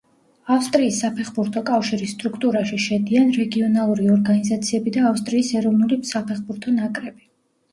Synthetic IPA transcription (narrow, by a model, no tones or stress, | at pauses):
afst̪ʼɾiːsːapʰɛχbuɾt̪ʰɔkʼafʃiɾisːt̪ʼɾukʰt̪ʼuɾaʃiʃɛd̪ianɾɛɡiɔnalˠuɾiɔɾɡanizat̪sʰiɛbid̪aːfst̪ʼɾiːsɛɾɔvnulisapʰɛχbuɾt̪ʰɔnakʼɾɛb̥i